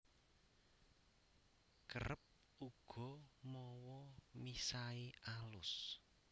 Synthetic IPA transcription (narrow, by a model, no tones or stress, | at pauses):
kəɾəp̚ | uɡ̥ɔ̤mɔwɔmisaiʔalʊs